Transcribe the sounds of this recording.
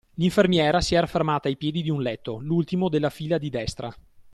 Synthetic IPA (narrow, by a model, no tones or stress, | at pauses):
liɱfermjɛːɾasiɛɾafermaːt̪aːjpjeːd̪id̪iunlɛt̪ːolult̪imod̪elːafiːlad̪id̪ɛst̪ɾa